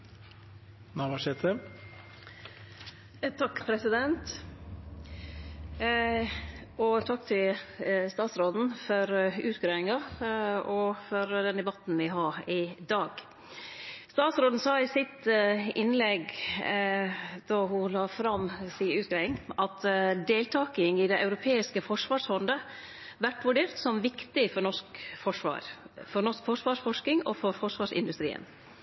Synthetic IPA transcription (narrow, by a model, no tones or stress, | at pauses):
nɑʋɑʂɛt̪ʰə | t̪ʰɑkːpʰɾɛsɪd̪ɛnt̪ | ɔt̪ʰɑkːt̪ʰɪlst̪ɑːt̪sɾoːd̪n̩fɔɾʉːt̪ɡɾeɪŋɑ | ɔfɔɾd̪ɛnd̪ɛbɑt̪n̩ʋɪɦɑːɾɪd̪ɑːɡ̥ | st̪ɑːt̪sɾoːd̪n̩sɑːɪsɪt̪ɪnlɛɡ | d̪̥ɑhʊlɑːfɾɑmːsiːʉːt̪ɡɾæɪŋʔɑt̪d̪eːlt̪ʰɑːkɪŋɪd̪ɛʔɑʉɾʊpʰeːɪskəfɔʂʋɑːʂhɔnd̪ə | ʋæʈʋʉɖeːɾt̪sɔmʋɪkt̪ɪfɔɾɳɔʂkfɔʂʋɑ̰ːɾfɔɾɳɔʂkfɔʂʋɑːʂfɔʂk̪ɪŋɔfɔɾfɔʂʋɑːʂɪ̰nd̪ʉst̪ɾḭːə̰n